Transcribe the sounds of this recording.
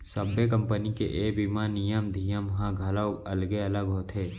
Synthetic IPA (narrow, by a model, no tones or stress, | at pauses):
səbek̬ə̃mpənikḛʔeːbimanijəmd̪ʱijəmɦãɡʱɐlaoɐlɡeɐləɡɦoːt̪ʰɦeː